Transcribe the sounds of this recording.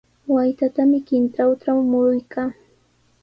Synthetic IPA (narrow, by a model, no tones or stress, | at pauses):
wajt̪at̪amɪkɪnt̪ɾawʈ͡ʂawmʊɾʊjkʰaː